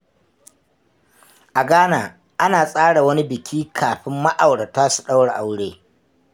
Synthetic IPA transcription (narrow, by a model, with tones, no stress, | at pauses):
ʔa˨ɡaː˦naː˨ | ʔa˦naː˨sʼaː˦ɽa˨wɐ˦ni˦bɪ˨kʲʰiː˦kʰaː˨ɸɪ˦mːa˦ʔa˨wɽa˨taː˦su̥˨ɗa˦wɽa˨ʔa˨wɽeː˦